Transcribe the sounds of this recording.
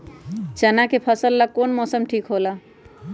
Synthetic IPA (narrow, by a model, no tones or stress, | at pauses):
t͡ʃənakepʰəsəlːəɡ̚konmɔsəmʈʰikɦola